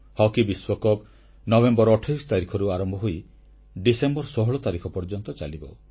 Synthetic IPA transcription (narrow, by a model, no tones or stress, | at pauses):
hɔkibiswɔkɔb | nɔbembɔɾɔʈʰajsɔt̪aɾikʰɔɾuaɾɔmbʱɔɦoj | ɖisembɔɾsɔɦɔɭɔt̪aɾikʰɔpɔɾd͡ʒɔnt̪ɔt͡ʃalibɔ